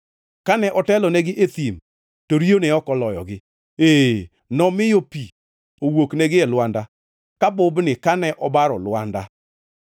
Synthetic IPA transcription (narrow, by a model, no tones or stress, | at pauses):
kanɛʔɔtɛlɔnɛɡɪʔet̪im | toɾionɛɔkɔlɔjɔ̰ɡɪ | eː | nɔmɪjopi | owoknɛɡɪɛlwanda | kabʊbnɪkanɛʔɔbaɾɔlwanda